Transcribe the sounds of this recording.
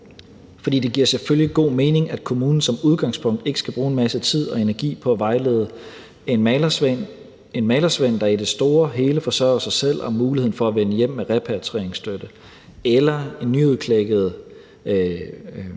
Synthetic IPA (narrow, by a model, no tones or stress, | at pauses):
fɒ̽d̥ḭːd̥e̝ɡiɐ̰seføljiɡ̥o̝̰ːme̝ːne̝ŋæd̥kʰo̝muːnn̩sɒ̽muð̞ˠɡ̥ɑ̈ŋspʰɔ̽ŋ̰d̥e̝ɡ̥ə̥sɡ̥æb̥ʁuːenmæsət͡sʰið̞̰ˠɒ̽e̝næɐɡ̥ḭːpʰɒ̽æʋɑ̈ɪleːðˠə | nn | e̝nmɛɪlɐsʋen̰d̥ɑ̈id̥e̝sd̥o̝ːɐɦe̝ːləfɒsɶɐ̰ɐsɑ̈ɪsel̰ɒmuːlihe̝n̩fɒ̽æʋenəjem̰ːeʁɛpʰæɐt͡sʰʁeɐ̰eŋsd̥ød̥ə | elɐe̝nːyoðˠkʰleɡ̥əð̞̩ˠə